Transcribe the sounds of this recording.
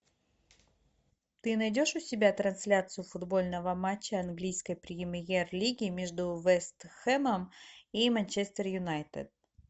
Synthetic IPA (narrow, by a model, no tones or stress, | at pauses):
t̪ɨnɐjdʲo̞ʂʊsʲɪbʲat̪ɾɐnsʲlʲat̪sɨjʊfʊd̪bo̞lʲnəvəmat͡ɕːəɐnɡlʲijskəjpɾʲɪɪmʲjerlʲiɡʲɪmʲeʐd̪ʊvɛst̪xɛməmimanʲt͡ɕest̪ərjʊnajt̪ɨ̰d̪̚